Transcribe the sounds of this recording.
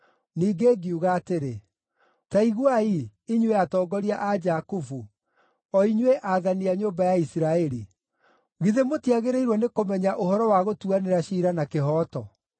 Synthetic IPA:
niːɡeɡiuɣaːteɾe | taiɣwaiiɲweatɔːɡɔɾiaʔad͡ʒakufu | ɔiɲweʔaðaniaɲoːmbajaisiɾaɛɾi | ɣiðemotiaɣeɾeiɾwɔnekomɛɲaʔoɦɔɾɔwaɣotuaneɾaɕiːɾanakeɦɔːtɔ

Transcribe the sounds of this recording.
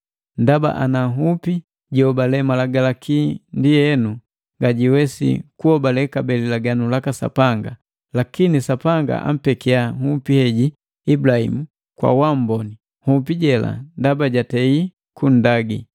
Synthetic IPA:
ndaba̰ʔanaɦupi | ɟiɔbalɛmalaɡalakʰindijɛnu | ŋɡaɟiwɛsḭkuɔbalɛkabɛlilaɡanulakasa̰paŋɡa | lakinisapaŋɡa̰ʔa̰m̩pɛkiaŋupihɛɟi | ibulahḭmu | kwa̰wam̩bɔni | hupiɟɛla̰ndabaɟatɛi | kun̩daɡi

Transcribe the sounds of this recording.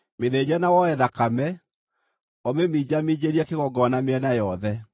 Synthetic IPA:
meðed͡ʑɛnawɔɛðakamɛ | ɔmemiːd͡ʑamid͡ʑeɾiɛkeɣɔɡɔnameɛnajɔðɛ

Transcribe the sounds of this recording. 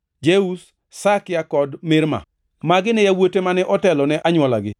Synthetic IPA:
d͡ʒeus | sakɪjakɔdmɪɾma̰ | maɡɪnɛjawotemanɛʔɔtɛlɔnɛʔaɲwɔlaɡɪ̰

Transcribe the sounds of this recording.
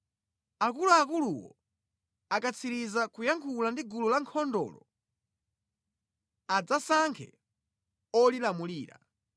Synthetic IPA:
akuluakuluwɔ̰ | akat͡sʰiɾizakujaŋkʰulandiɡululaŋkʰɔndɔ̰ːlɔ̰ | ad͡zasaŋkʰɛ̰ | ɔlilamuliːɾa̰

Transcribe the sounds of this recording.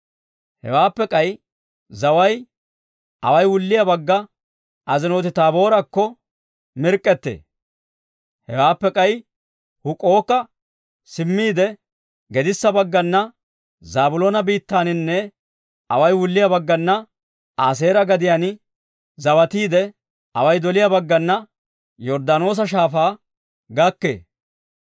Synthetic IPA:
hɛ̰waːpːɛkʼɐj | zɐwɐj | ɐ̰wɐjwʊlːɪjɐbɐɡːɐ | ɐzɪno̞ːt̪ɪt̪aːbo̞ːɾɐkːɔ | mɪɾkʼːɛt̪ːḛː | hɛ̰waːpːɛkʼɐj | hʊkʼo̞ːkːɐ | sɪmːiːd̪ɛ | ɡɛd̪ɪsːɐbɐɡːɐnːɐ | zaːbʊloːnɐbiːt̪ːaːnɪnːɛ | ɐwɐjwʊlːɪjɐbɐɡːɐnːɐ | aːs̬e̞ːɾɐɡɐd̪ɪjaːn | zɐwɐt̪iːd̪ɛ | ɐwɐjd̪ɔlɪjɐbɐɡːɐnːɐ | jɔɾd̪ano̞ːs̬ɐʃ̬aːfaː | ɡɐkːḛː

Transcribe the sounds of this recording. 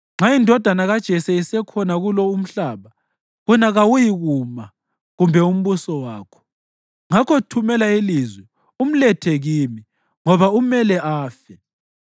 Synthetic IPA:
ŋ͡ǁʱaindʱɔd̥ʱanaɣad̥ʒ̥ʱɛsɛisɛkʰɔnaɣulɔum̩ɬaːβa | ɣunaɣawujiɣuma | ɣumbʱɛum̩βusɔwaːkʰɔ̥ | ŋakʰɔtʰumɛlailizwɛ | um̩lɛtʰɛɣiːmi | ŋɔβaumɛlɛʔaːfɛ

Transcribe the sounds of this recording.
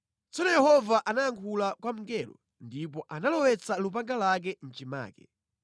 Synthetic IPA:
t͡sɔnɔjɛhɔvaʔanajaŋkʰulakwam̩ŋɡɛlɔ̰ | ndip̬ɔʔanalɔwɛt͡salup̬aŋɡalak̬ɛn̩t͡ʃima̰ːkɛ̥

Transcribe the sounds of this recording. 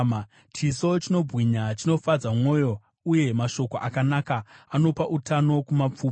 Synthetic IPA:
t͡ʃiso̞t͡ʃino̞bʱɣiɲat͡ʃino̞fad͡zamwo̞ːjo̞ | uje̞maʃo̞koʔakanakaano̞paʔutano̞kumap͡fuː

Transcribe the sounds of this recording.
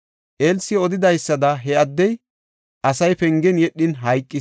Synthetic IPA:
ʔeːlsːɪɔd̪ɪd̪ɐjsːɐd̪ɐɦɛɐd̪ːɛj | ʔɐsɐjpɛŋɡɛnjɛɗːɪnɦɐjkʼːɪ

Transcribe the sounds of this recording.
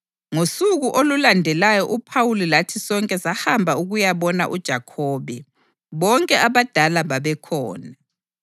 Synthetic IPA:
ŋosuɣuʔolulandʱɛlajɔʔupʰawulilatʰisɔŋkʼɛsahambʱauɣujaβɔna̰ʔud̥ʒ̥ʱakʰɔːβɛ | βɔŋkʼɛʔaβad̥ʱalaβaβɛkʰɔ̰ːna

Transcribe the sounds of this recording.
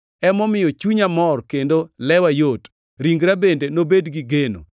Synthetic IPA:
ɛmɔmɪjɔt͡ʃuɲamɔrkendolɛwajot | ɾiŋɡɾabendenobedɡiɡeno̰

